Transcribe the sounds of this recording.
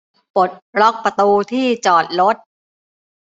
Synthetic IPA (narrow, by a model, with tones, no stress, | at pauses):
po˨˩t̪̚ɾɔ˦˥k̚pɾa˧t̪uː˧t̪ʰiː˥˩t͡ɕɔː˨˩t̪̚ɾo˦˥t̪̚